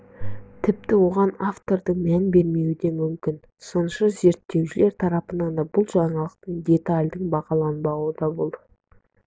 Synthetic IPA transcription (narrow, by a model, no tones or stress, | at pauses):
t̪ʰɪp̚t̪ɪwo̞ʁɑnaft̪o̞ɾd̪əɴmænbe̞ɾme̞wɪd̪e̞mʏmkʲɪn | so̞nəʃɑze̞ɾt̪ːe̞wʃɪle̞ɾt̪ʰɑɾɑpənɑnd̪ɑbʊlˠʒɑɴɑlˠəq̚t̪əɴd̪ʲe̞t̪alʲd̪əɴbɑqɑlˠɑnbɑwəd̪ɑbo̞lˠd̪ə